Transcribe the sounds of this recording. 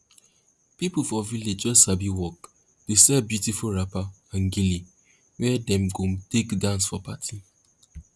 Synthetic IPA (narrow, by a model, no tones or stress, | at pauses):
pipufɔviled͡ʒɔsabiwɔk | tesɛbjutifuɹapa | ãnɡili | wɛdɛ̃mɡomtekdãnsfɔpatʰi